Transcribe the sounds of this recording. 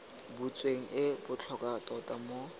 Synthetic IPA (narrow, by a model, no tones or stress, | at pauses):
but͡sʼweŋ̩ʔɪbʊt͡ɬʰɔkʼatʼɔtʼamo